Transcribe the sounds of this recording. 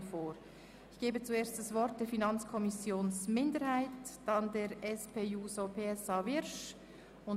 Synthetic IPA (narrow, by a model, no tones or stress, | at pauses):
foːɾ | ɪçɡ̥eːbət͡sueːɾst̚d̥ɑsvɔɾt̚d̥eːɾfinɑnt͡skʰɔmɪsjoːnsmɪndəɾhaɪtd̥ɑndeɾɛspʰeːjuːsopʰeːɛsɑːvɪɾʃ | ʊn